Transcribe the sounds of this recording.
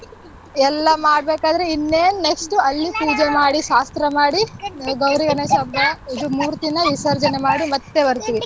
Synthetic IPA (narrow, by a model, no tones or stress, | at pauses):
ɛlːɐmaːɽbeːkaːd̪ɐɾeinːeːnneksʈuɐlːipuːd͡ʒemaːɽiʃaːst̪ɾɐmaːɽiɡɐwɾiɡɐnesɐbːɐid̪umuːɾt̪inɐʋisɐɾd͡ʒɐnemaːɽimɐt̪ːe̞bɐɾt̪iʋi